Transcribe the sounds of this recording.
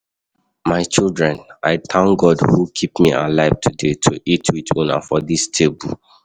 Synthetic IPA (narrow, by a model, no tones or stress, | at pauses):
maɪt͡ʃildɹɛ̃naɪt̪ʰãŋɡɔdhukʰipmiʔa̰laɪvtʰudetʰuʔitʰitʰõna̰fɔdistʰebul